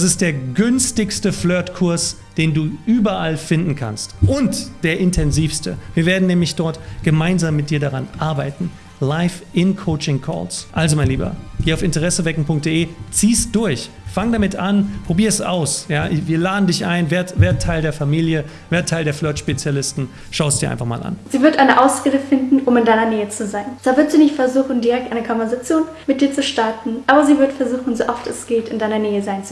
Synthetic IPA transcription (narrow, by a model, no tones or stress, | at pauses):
d̥as̬ɪst̚d̥eːɐɡʏnstɪçstəflœɐtkʰʊɐs | d̥eːnduːʔyːbɐʔalfɪndn̩kʰa̰nstʔʊntd̥eːɐʔɪntʰɛnziːfstəviːɐveːɐdn̩nːɛːmlɪçd̥ɔɐtɡ̥əmaɪnzaːmːɪt̚d̥iːɐɾaʁanʔaɐbaɪtn̩ | laɪfʔɪnkʰoʊt͡ʃɪŋkʰɔ̰ːlsʔalzomaɪnliːbɐ̰ɡ̥eːaʊfɪntəʁɛsəvɛkŋ̩pʰʊŋk̚t̚d̥eʔeːt͡siːst̚d̥ʊɐç | faŋdamɪtʔanpʁ̥obiːɐɛsa̰ʊsjaːʔviːɐlaːdn̩dɪçʔaɪnveːɐtveːɐttʰːaɪldeːɐfamiːljə | veːɐtʰːaɪldeːɐflœɐtʃpet͡sjalɪstn̩ | ʃaʊstd̥iːɐʔa̰nfaχma̰ːlʔa̰nz̥iːvɪɐtʔaɪnəʔaʊsɛləfɪndn̩ʔʊmɪndaɪnɐneːət͡suzaɪnt͡saːvɪɐtz̥iːnɪçtfɛɐzuːxn̩diʁɛk̚tʔaɪnəkʰɔnvɛɐzat͡sjoːn | mɪt̚d̥iːɐt͡suʃtaɐtn̩ʔaːbɐziːvɪɐtfɛɐzuːxn̩zoʔɔftɛsɡ̥eːtɪndaɪnɐneːəzaɪnt͡s